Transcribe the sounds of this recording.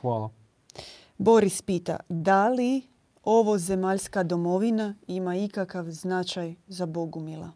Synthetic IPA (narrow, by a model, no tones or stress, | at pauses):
xʋaːlˠa | bo̞ɾispiːt̪a̰d̪ali | o̞ʋoze̞maːʎskad̪o̞mo̞ʋinaimaikakaʋznat͡ʃajzabo̞ɡumilˠa̰